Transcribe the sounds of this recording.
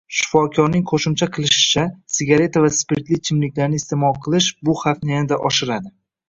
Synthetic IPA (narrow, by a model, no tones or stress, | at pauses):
ʃɪ̥fɒkʲʰɒɾnɪŋqʰoʃɪmt͡ʃʰaqʰɨlˠɪʃɪ̥t͡ʃʰasɪɡʲaɾe̞t̪ʰavaspeɾt̪lit͡ʃʰɪmlɪkʲlaɾnɪːst̪ʰemɒlˠqʰɨlˠɪʃbʊhafnijanɪd̪aʔɒʃɪɾad̪ɪ